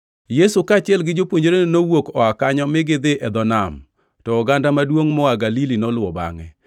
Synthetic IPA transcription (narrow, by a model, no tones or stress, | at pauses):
jesukat͡ʃɪɛlɡɪd͡ʒopwoɲd͡ʒoɾenenowokɔakaɲɔmɪɡɪd̪ɪʔɛd̪ɔnam | tɔːɡandamadwoŋmɔaɡalilinɔlʊɔba̰ŋɛ̰